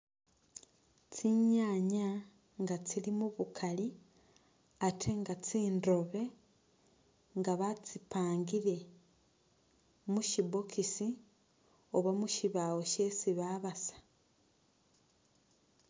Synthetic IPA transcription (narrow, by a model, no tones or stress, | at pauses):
t͡siɲaːɲa | ŋɡat͡silimuβukʰali | atʰeŋɡat͡siːndo̞βe̞ | ŋɡaβat͡sipaːŋɡiɾe̞ | muʃibokisi | oβamuʃiβawo̞ʃe̞siβaβasḁ